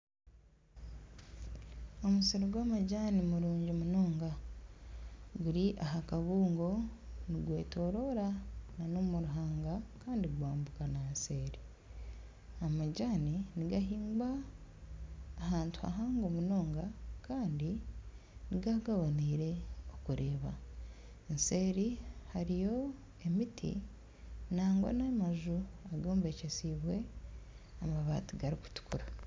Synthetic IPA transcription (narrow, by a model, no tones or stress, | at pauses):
o̞musiɾoɡwaːmaɟaːnimuɾuːɲɟomuno̞ːŋɡa | ɡuɾiʔaɦakaβuːŋɡo̞niɡwe̞̰ːto̞ɾo̞ɾananomuɾuɦaːŋɡakaːndiɡwaːmbukanaseːɾi | amaɟaːniniɡaɦiːŋɡa | haːntu̥ha̰ɦaːŋɡomuno̞ːŋɡakaːndi | niɡaɡaβaniɾe̞o̞kuɾe̞ːβa | ense̞ːɾihaɾijo̞ | e̞mitʰḭ | naːŋɡo̰namaʒuaɡoːmbecesiβwe̞ | amaβa̰ːtiɡaɾiku̥tu̥kuɾa